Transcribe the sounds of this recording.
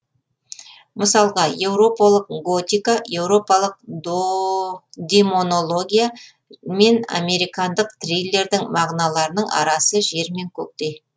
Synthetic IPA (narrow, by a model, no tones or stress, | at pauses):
məsɑlˠʁɑje̞wɾo̞pɑlˠəq̚ɡo̞t̪ijkaje̞wɾo̞pɑlˠəq̚ | d̪emo̞no̞lˠo̞ɡʲija | me̞na̰me̞ɾijkɑnd̪əqt̪rijlʲe̞ɾd̪ɪŋmɑʁnɑlˠɑɾənəɴʔɑ̰ɾɑsəʒe̞ɾme̞ŋkʲʰɵk̚t̪e̞j